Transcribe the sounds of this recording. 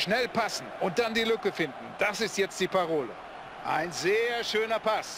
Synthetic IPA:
ʃnɛlpʰasn̩ʊnt̚d̥andiːlʏkəfɪndn̩d̥asɪstjɛt͡st̚d̥iːpʰaʁ̞oːlə̰ | ʔaɪnzeːɐʃøːnɐpʰas

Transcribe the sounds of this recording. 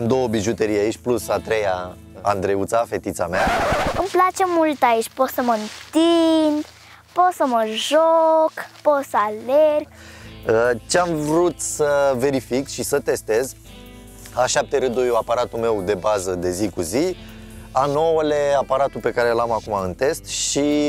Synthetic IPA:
md̪o̞wəbiʒut̪eɾijait͡ʃʲplusat̪ɾe̞ja | a̰nd̪ɾeut̪safe̞t̪it̪sameaɨmplat͡ʃemult̪ait͡ʃpot̪səmənt̪ind̪ | pot̪səməʒokpot̪səalerɡ̚ | ət͡ʃeamvɾut̪səve̞ɾifikʃisət̪e̞st̪e̞z | aʃap̚t̪eɾɨd̪ojuapaɾat̪ume̞wd̪e̞bazəd̪e̞zikuzi | anowəleapaɾat̪upe̞kaɾelamakumaɨnt̪e̞st̪ʃi

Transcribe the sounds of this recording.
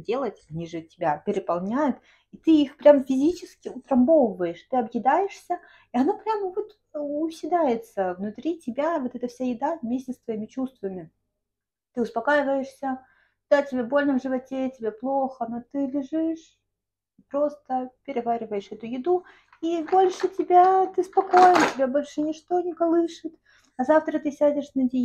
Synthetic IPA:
dʲe̞lˠətʲɐnʲiʐɨtʲɪbʲapʲɪɾʲɪpɐlˠnʲæjʊt̪ | it̪ɨixpɾʲamfʲɪzʲit͡ɕɪskʲɪʊt̪ɾɐmbovˠvəjɪʂt̪ɨɐbjɪd̪ajɪʂsʲə | iɐnopɾʲamvo̞t̪ | ʊsʲɪd̪ajɪt̪səvnʊt̪ɾʲitʲɪbʲavo̞t̪ɛt̪əfsʲajɪd̪avmʲesʲtʲɪst̪vɐimʲɪt͡ɕust̪vəmʲɪ | t̪ɨʊspɐkajɪvəjɪʂsʲə | d̪̥atʲɪbʲabo̞lʲnəvʐɨvɐtʲetʲɪbʲeplˠoxəno̞t̪ɨlʲɪʐɨʂ | ipɾo̞st̪əpʲɪɾʲɪvaɾʲɪvəjɪʂɛt̪ʊjɪd̪u | ibo̞lʲʂɨtʲɪbʲat̪ɨspɐko̞jɪnətʲɪbʲabo̞lʲʂɨnʲɪʂt̪o̞nʲɪkɐlˠɨʂɨt̪ | ɐzaft̪ɾət̪ɨsʲædʲɪʂnɐdʲɪ

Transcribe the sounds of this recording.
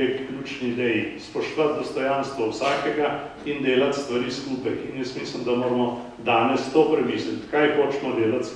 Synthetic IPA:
ekklʲjuːt͡ʃniːd̪ɛjispɔʃt̪ɔʋat̪̚d̪ɔst̪ɔjanst̪ʋɔwsaːkɛɡa | ind̪eːlat̪st̪ʋɐɾiːskuːpɐjinjɛst̪miːslimd̪ɐmoːɾmɔ | d̪aːnɛst̪oːpɾɛmiːslit̪kajpot͡ʃnɔd̪eːlat̪s

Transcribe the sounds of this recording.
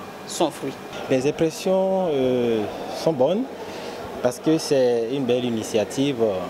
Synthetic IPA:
sɔ̃fʁɥi | lɛzɛ̃pχɛsjɔ̃øsɔ̃bɔn | paʁskøsɛynbɛlinisjat̪ʰiv

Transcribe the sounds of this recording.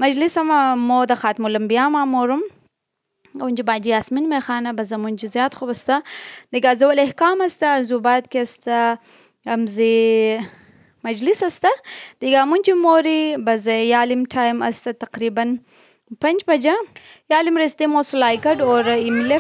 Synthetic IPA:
mɐd͡ʒlisɐmamod̪ɐxaːt̪mulɐmbijaːmaːmoɾum | wund͡ʒibaːd͡ʒijaːsminmexaːnɐbɐzɐmund͡ʒizjaːt̪xobɐst̪ad̪iɡaːzɐwɐlehkaːmɐst̪aːzubaːt̪̚kiɐst̪aː | mzi | mɐd͡ʒlisast̪ad̪̥iɡaːmunʲt͡ʃimoɾibɐzjaːlimʈʰaːjma̰st̪at̪ɐqɾibɐn | pɐnd͡ʒbɐd͡ʒajaːlimɾist̪imoːsulaːjkɐɖoɾimle

